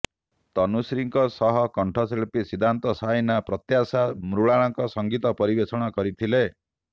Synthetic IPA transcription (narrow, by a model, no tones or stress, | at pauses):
t̪ɔnusɾiŋkɔsɔɦɔkɔɳʈʰɔseɭpisid̪ʱant̪ɔsajnapɾɔt̪jasamɾuɭaɭ̃ɔŋkɔsɔŋɡit̪ɔpɔɾibesɔɽ̃ɔkɔɾit̪ʰile